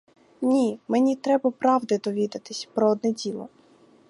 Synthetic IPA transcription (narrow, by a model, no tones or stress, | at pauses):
nʲimenʲit̪ɾɛbɐpɾɑwd̪ɪd̪ɔʋʲid̪ɐt̪ɪsʲpɾɔɔd̪nɛdʲilˠɔ